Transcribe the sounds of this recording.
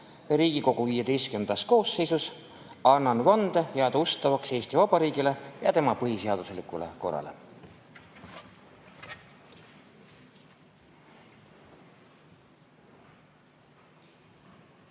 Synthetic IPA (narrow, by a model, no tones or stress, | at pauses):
ɾiːɡ̥iko̞ɡ̥uviːjed̪e̞jst̪kynd̪̥ɑsko̞ːsːe̞jsus | ɑnːɑnvɑnd̪ejɑɑd̪ust̪ɑvɑkse̞ːst̪ivɑb̥ɑɾiːɡile̞jɑt̪e̞mɑpɤɦise̞ɑd̪̥uslikˑulḛko̞rːɑ̰lḛ